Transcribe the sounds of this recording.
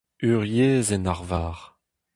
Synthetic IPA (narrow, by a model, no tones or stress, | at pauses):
yʁjeːzɛnaʁvaːʁ